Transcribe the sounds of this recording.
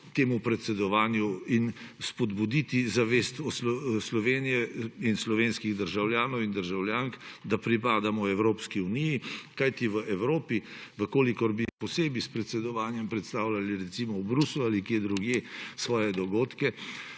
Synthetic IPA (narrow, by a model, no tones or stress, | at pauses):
t̪eːmupɾɛt̪sɛd̪ɔʋaːnjuin | spɔd̪bud̪it̪izaʋest̪ɔsɔslɔʋeːnijɛinslɔʋenskiɣd̪əɾʒawljaːnɔwind̪əɾʒawljaːŋkd̪apɾipaːd̪amɔɛwɾoːpskiunijikajt̪iʋəʔɛwɾoːpiʋəkoːlikɔɾbipɔseːbispɾɛt̪sɛd̪ɔʋaːnjɛmpɾɛt̪st̪aːwlaliɾɛt̪simɔwbɾuslualikjed̪ɾuɡjesʋɔːjɛd̪ɔɡoːt̪kɛ